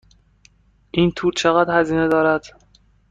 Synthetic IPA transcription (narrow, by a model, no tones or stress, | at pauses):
ʔiːnt̪ʰuːɾt͡ʃʰeɣæːd̪hæziːned̪ɒːɾæd̪̥